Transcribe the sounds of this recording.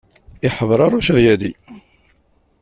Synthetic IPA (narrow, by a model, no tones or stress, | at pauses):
ɪħəvɾˤɑɾˤuʃðjæði